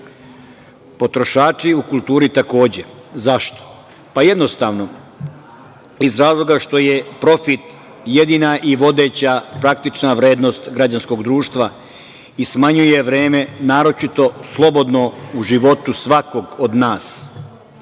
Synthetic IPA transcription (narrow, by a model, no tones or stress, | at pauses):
po̞t̪ɾo̞ʃaːt͡ʃiukulˠt̪uːɾit̪ako̞ːd͡ʑe̞zaʃt̪o̥ | paje̞d̪no̞st̪aːʋno̞ | izɾaːzlˠo̞ɡaʃt̪o̞je̞pɾo̞fit̪ | jed̪inaʔiʋo̞d̪e̞t͡ɕapɾak̚t̪it͡ʃnaʋɾe̞ːd̪no̞st̪ɡɾad͡ʑansko̞ɡd̪ɾuːʃt̪ʋa | ismaɲuje̞ʋɾe̞ːme̞naːɾo̞t͡ʃit̪o̞slˠo̞bo̞d̪no̞uʒiʋo̞t̪usʋako̞ɡod̪naːs